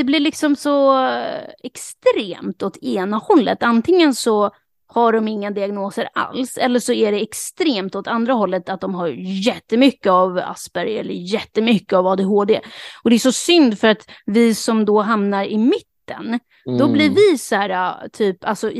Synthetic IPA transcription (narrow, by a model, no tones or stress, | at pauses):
d̪ɛblɪɾɭɪksɔmsɔ | ɛkst̪ɾeːmt̪ɔt̪ʰeːnahɔlːə̰t̪ant̪ʰɪŋːənsɔ | haɖɔmɪŋːad̪ɪaɡnoːsəɾa̰lsɛlːəʂɔæɖɛɛkst̪ɾeːmt̪ɔt̪ʰand̪ɾaɦɔlːət̪at̪̚d̪ɔmɦaɾjɛt̪ːəmʏkːəava̰sbæɾjɛ̰lːə̰ɾjɛt̪ːəmʏkːəavɑːd̪eɦoːd̪ḛːɔd̪ɛæʂɔsʏnd̪fœɾat̪vɪsɔmd̪ɔɦamnaɾɪmɪt̪ːə̰n | d̪ɔblɪɾvɪsæːɾat̪ʰyːpalsɔ